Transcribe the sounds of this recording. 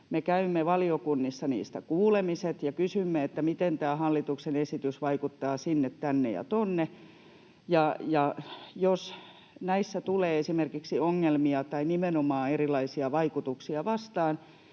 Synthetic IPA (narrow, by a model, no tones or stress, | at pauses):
mekæymːeʋɑliokunːisːɑnḭːst̪ækuːlemiset̪jɑkysymːeet̪ːæmit̪ent̪æːhɑlːit̪uksenesit̪ysʋɑikut̪ːɑːsinːet̪tænːḛjɑ̰t̪onːe | jɑjɑjos | næisːæt̪uleːesimerkiksioŋːelmiɑt̪ɑinimenomɑːerilɑisiɑʋɑikut̪uksiɑʋɑst̪ɑːn